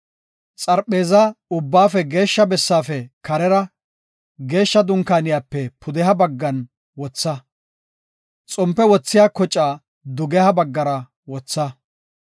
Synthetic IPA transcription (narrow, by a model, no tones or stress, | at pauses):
t͡sʼɐɾpʼːe̞ːzɐʊbːaːfɛɡe̞ːʃːɐbɛsːaːfɛkɐɾɛɾɐ | ɡe̞ːʃːɐd̪ʊŋkaːnɪjaːpːɛpʰʊd̪ɛɦɐbɐɡːɐn | wɔt͡sːɐ | t͡sʼɔmpːɛwɔt͡sːɪjaːkɔt͡ʃʼːaː | d̪ʊɡɛhɐbɐɡːɐɾɐ | wɔt͡sːɐ